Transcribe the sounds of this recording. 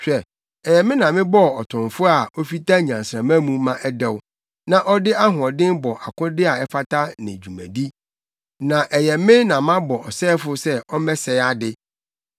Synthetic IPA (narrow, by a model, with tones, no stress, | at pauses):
ɕᶣɛ˨ | ɛ˨jɛ˨mɪ̃˦nã˨mɪ̃˦bɔ˦˨ɔ˨tʰʊ̃˨ɱfʊ˦a˨o˦fi˦ta˦˨ɲã˨n˨sɾã˨mã˦mũ˦mã˦ʔɛ˦dɛ˦˨w | nã˦ʔɔ˦dɪ˦a˦ɦʊ̃˨ɔ˨dɪ̃˦nbɔ˨ʔa˨kʊ̃˦dɪ˦a˨ɛ˦fa˦tʰa˦nɪ̰̃˨d͡ʑᶣu˨mæ̰̃˨di˦ | nã˨ʔɛ˨jɛ˨mɪ̃˦nã˨mã˦bɔ˨ɔ˨sɛ˦fʊ˦sɛ˦ɔ˦mɛ̃˦sɛ˨˦a˦dɪ˦